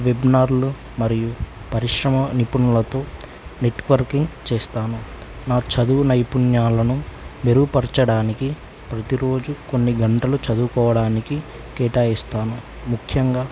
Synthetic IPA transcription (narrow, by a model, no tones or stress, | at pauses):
ʋebnaːɾlu | mɐɾiju | pɐɾiʂɾɐmɐnipunulɐt̪o̞ː | ne̞ʈʋɐɾkiŋɡt͡ʃɛːst̪aːnu | naːt͡ʃɐd̪unɐjpunjaːlɐnume̞ɾuupɐɾt͡ʃɐɽaːniki | pɾɐt̪iɾo̞ːd͡ʒuko̞nːiɡɐɳʈɐlut͡ʃɐd̪ukɔːʋɐɽaːniki | kɛːʈaːist̪aːnu | mukʰjɐŋɡaː